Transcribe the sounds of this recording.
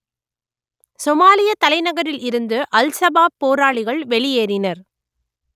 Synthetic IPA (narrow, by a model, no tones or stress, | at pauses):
sɔmaːlɪjɐt̪ɐlɐɪnɐɣɐɾɪlɪɾɯnd̪ɯʔɐlsɐbaːpːoːɾaːɭɪɣɐɭʋɛɭɪjeːɾɪnɐɾ